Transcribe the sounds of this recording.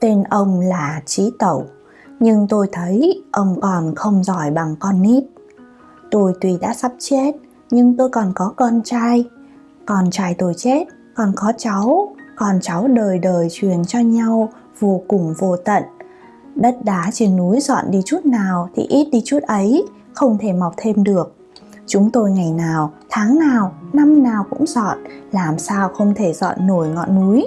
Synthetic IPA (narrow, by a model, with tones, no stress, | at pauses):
t̪e˧nʔə˧wŋ͡mlaː˨˩t͡ɕi˨˦t̪ə˧˩w | ɲɨ˧ŋt̪o˧jt̪ʰə˨˦jʔə˧wŋ͡mkɔ˨˩nxə˧wŋ͡mzɔ˧˩jɓa˨˩ŋkɔ˧nʔi˦˥t̚ | t̪o˧jt̪wi˨˩ɗa̰ː˧˥sa˦˥p̚t͡ɕe˦˥t̚ | ɲɨ˧ŋt̪o˧jkɔ˨˩nkɔ˨˦kɔ˧nt͡ɕaː˧j | kɔ˨˩nt͡ɕaː˧˩jt̪o˧˩jt͡ɕe˦˥t̚ | kɔ˨˩nkɔ˨˦t͡ɕa˨˦wkɔ˨˩nt͡ɕa˨˦wɗəː˨˩jɗəː˨˩jt͡ɕwi˨˩ənt͡ɕɔ˧ɲa˧w | vo˧kʊ˨˩ŋ͡mvo˧t̪ə̰˧˨n | ɗə˦˥t̚ɗaː˨˦t͡ɕi˧˩nːu˨˦jzɔ̰˧˨nɗi˧t͡ɕu˦˥t̚naː˨˩wt̪ʰḭ˨˩ʔi˦˥t̚ɗi˧t͡ɕu˦˥t̚ʔə˨˦j | xə˧wŋ͡mt̪ʰe˧˩ma˨˩wk͡p̚t̪ʰe˧mɗɨ˨˩ək̚ | t͡ɕʊ˨˦ŋ͡mt̪o˧jŋa˨˩jnaː˨˩wt̪ʰaː˨˦ŋnaː˨˩wna˧mnaː˨˩wkʊ̰˧˥ŋ͡mzɔ̰˧˨nlaː˨˩msaː˧wxə˧wŋ͡mt̪ʰe˧˩zɔ̰˧˨nːo˧˩jŋɔ̰˧˨nːu˨˦j